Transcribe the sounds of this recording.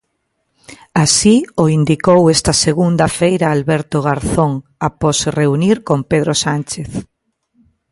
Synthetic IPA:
asioind̪ikowɛst̪ɐseɣund̪ɐfejɾɐalβɛɾt̪oɣaɾθoŋapɔsreuniɾkompeðɾosant͡ʃeθ

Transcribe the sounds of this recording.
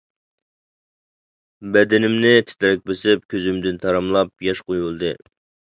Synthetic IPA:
bɛd̪ɪnɪmnɪt̪ʰɪ̥t̪ʰɾɛk̚ʲbɪsɪp̚kʲʰøzymd̪ɪnt̪ʰɑɾɨmlˠɑp̚jɑʃqojulˠd̪ɨ

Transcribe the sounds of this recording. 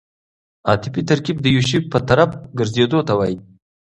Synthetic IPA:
ɑt̪ɪpit̪aɾkib̚d̪əjuʃ̬ipːət̪aɾaf̚ɡəɾzed̪ot̪awɑji

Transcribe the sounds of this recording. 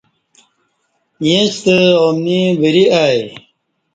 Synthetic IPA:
jẽt͡ɕt̪əoːmnibəɾiaːj

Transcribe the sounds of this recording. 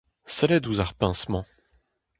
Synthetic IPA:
sɛlɛd̪uzaʁpɛ̃smɑ̃

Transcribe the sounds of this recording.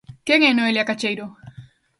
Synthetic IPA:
keŋenoeljakat͡ʃejɾo

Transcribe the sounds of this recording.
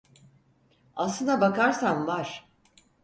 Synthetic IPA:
aslˠɯnd̪abakaɾsamvaɾ̥

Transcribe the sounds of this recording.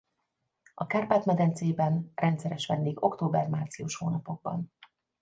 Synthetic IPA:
ɒkaːrpaːt̪mɛd̪ɛnt̪seːbɛnrʔɛnt̪sɛɾɛʃʋɛnd̪eːɡo̞kt̪oːbɛrmaːrt̪sijuʃhoːnɒpo̞ɡ̚bɒ̰n

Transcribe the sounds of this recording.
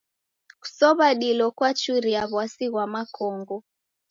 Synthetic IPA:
ku̥sɔβaɗilɔkwat͡ʃuɾiaβwasiɣwamakʰɔŋɡɔ

